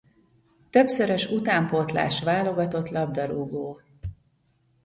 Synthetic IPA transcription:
t̪ø̞psøɾøʃut̪aːmpot̪la̰ːʃʋaːlo̞ɡɒt̪o̞t̪lɒb̚d̪ɒɾuɡoː

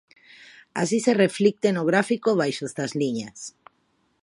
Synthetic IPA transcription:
a̰sisereflik̚t̪enoɣɾafikoβajʃozðazliɲas

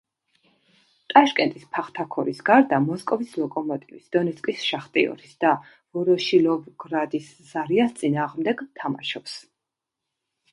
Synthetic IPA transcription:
t̪ʼaʃkʼɛnt̪ʼispʰaχt̪ʰakʰɔɾisɡaɾd̪amɔskʼɔvislˠɔkʼɔmɔt̪ʼivisd̪̥ɔnɛt̪sʰkʼisʃaχt̪ʼiɔ̰ɾisd̪̥a | vɔɾɔʃilɔvɡɾad̪is | zaɾiast̪sʼinaːʁmd̪ɛɡt̪ʰama̰ʃɔps

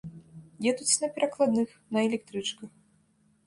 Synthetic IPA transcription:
jɛd̪ut͡sʲnɐpʲɛɾɐklˠad̪nɨx | nɐɛlʲɛkt̪ɾɨt͡ʂkɐx

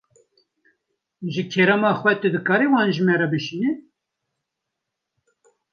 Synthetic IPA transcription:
ʒɨkʰɛɾɛmɑːxwɛt̪ɨd̪ɨkɑːɾiwɑːnʒɨmɛɾɑbɨʃiːnɛ

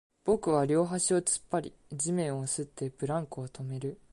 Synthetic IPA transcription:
b̥o̞kɯ̟β̞aɾʲo̞ːɦaɕio̞t͡sɨ̥pːaɾʲḭ | d͡ʑimẽ̞ɰ̃o̞sɨt̪ːe̞bɯ̟ɾãŋkɯot̪ʰo̞me̞ɾɯ̟

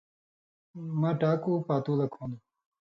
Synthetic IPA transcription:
mãːʈaːkuːpaːt̪ulɐkʰõːnd̪u

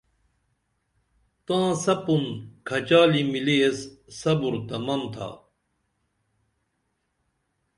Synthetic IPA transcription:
t̪ãːsɐpunkʰɐt͡ɕaːlimiliesːɐbuɾt̪ɐmɐmt̪ʰa̰ː

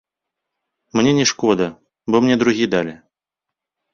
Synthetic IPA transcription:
mnʲenʲɛʂkɔd̪ɐ | bɔmnʲɛd̪ɾuɣʲid̪alʲɪ

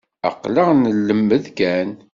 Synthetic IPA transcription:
ə̰qːləʁnəlːəmːəðkæn

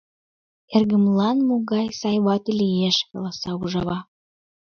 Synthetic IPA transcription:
erɣə̆mlɑnmoɣɑjsɑjβɑt̪elieʃkɑ̰lɑsɑuʒɑβɑ

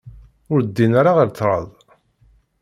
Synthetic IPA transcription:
ʊɾd̪ːinaɾaʁəɾt͡sːɾˤɑ̰ðˤ

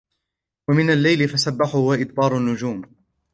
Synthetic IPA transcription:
wamɪnalːajlɪfasabːaħʊʊwaʔɪd̪bɑːɾˤʊnːʊd͡ʒuːm

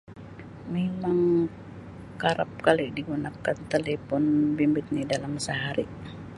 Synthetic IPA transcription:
memaŋ | kaɾap̚kalidiɡunakant̪elepɔnbimbɪt̪̚nidalamsəɦaɾi

